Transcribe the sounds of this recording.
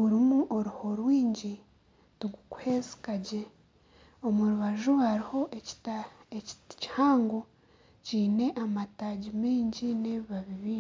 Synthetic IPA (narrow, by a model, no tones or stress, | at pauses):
uɾimuʔoɾuho̞ɾwiːɲɟi | tuɡuku̥he̞zi̥kaɟe̞ | o̞muɾuβaʒuaɾiho̞ʔetaeci̥haːŋɡo | ciːne̞ʔamataːɟimiːɲɟineβiβaβiβiː